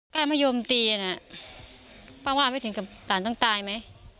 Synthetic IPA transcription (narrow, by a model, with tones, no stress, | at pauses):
kaː˥˩maː˥˩joː˧mt̪iː˧ʔa˧na˧˩ | paː˥˩waː˥˩ma˥˩jt̪ʰɯ˩˦ŋkʰa˨˩kaː˨˩˦nt̪ɔ˥˩ŋt̪aː˧jma˦˥j